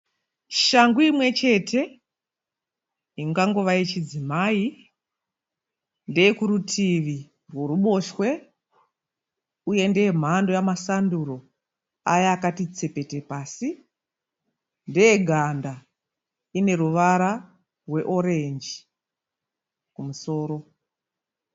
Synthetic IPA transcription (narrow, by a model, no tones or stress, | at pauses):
ʃaŋɡuimwe̞t͡ʃe̞ːtʰe̞ | iŋɡaŋɡoʋait͡ʃid͡zimaːi | ndejekuɾutʰiʋi | rwo̞ruɓo̞ʃwe̞ | uje̞ndeem̤ando̞jamasanduɾo̞ | ajaːkatit͡se̞pe̞te̞paːsi | ndejeɡʱanda | ine̞ɾuʋaɾa | rwe̞ʔo̞ɾe̞nd͡ʒi | kumuso̞ːɾo̞